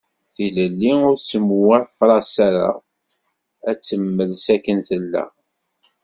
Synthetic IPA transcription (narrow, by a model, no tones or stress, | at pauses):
θiləlːiʊɾt͡sːəmwæfɾˤɑsæɾa̰ | æt͡sːəmːəlsækːənθəlːæ̰